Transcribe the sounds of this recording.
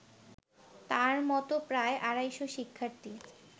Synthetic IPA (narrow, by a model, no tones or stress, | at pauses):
t̪aɾmɔt̪opɾaeʔaɾajʃoʃikʰːaɾt̪i